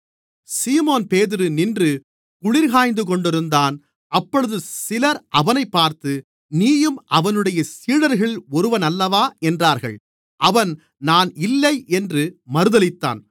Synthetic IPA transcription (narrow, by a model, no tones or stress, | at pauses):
siːmoːnpeːðɪɾɯnɪndrɯ | kʊɭɪɾɣaːjnd̪ɯkɔɳɖɪɾɯnd̪aːn | ʔɐpːɔɻɯðɯsɪlɐɾʔɐʋɐnɐɪpːaːɾt̪ɯ | niːjɯmʔɐʋɐnɯɽɐjɐsiːɽɐɾɣɐɭɔɾɯʋɐnɐlːɐʋaːɛndraːɾɣɐ̰ɭ | ʔɐʋɐn | naːnɪlːɐɪʔɛndrɯmɐɾɯðɐlɪt̪ːa̰ːn